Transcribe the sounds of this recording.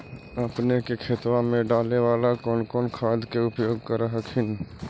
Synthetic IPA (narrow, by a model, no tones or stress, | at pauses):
əpnekekʰeːt̪wamẽɖaːleʋaːlakɔːnkɔːnkʰaːd̪keʊpjoːɡkəɾaɦəkʰɪn